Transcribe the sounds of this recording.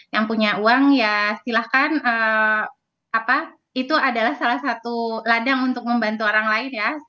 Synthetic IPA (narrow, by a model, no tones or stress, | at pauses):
jaŋpuɲauaŋjast̪ilahkanəː | apa | it̪uadalahsalahsat̪uladaŋunt̪ʊk̚məmbant̪uoɾaŋlaɪnja